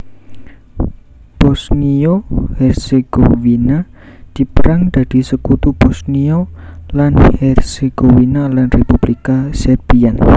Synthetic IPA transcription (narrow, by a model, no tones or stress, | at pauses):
b̥ɔsniohɛrseɡ̥owina | d̪̥i̤pəɾaŋd̪̥a̤d̪̥i̤səkut̪ub̥ɔsniolanhɛrseɡ̥owinalanrepub̥likasɛrb̥ian